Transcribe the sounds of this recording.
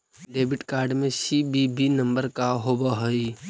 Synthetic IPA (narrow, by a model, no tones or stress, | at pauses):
ɖeːbɪʈkaːɾɖmẽsibibinə̃mbəɾkaɦobaɦoi